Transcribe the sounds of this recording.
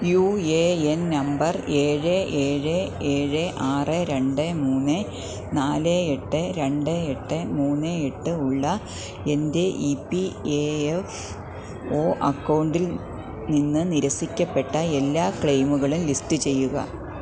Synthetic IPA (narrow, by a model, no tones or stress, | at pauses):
jueennɐmbɐre̞ːɻɨeːɻɨe̞ːɻɨʔaːrɨɾe̞ɳɖɨmuːnːɨ | naːleeʈːɨɾe̞ɳɖɨeʈːɨmuːnːɨeʈːɨuɭːɐ | e̞nde̞ʔipːieef | o̞ːʔɐkːɐwɳɖil | ninːɨniɾɐsikʲːɐpːe̞ʈːɐe̞lːaːkɭejmuɣɐɭumlisʈɨt͡ɕe̞jːuɣɐ̰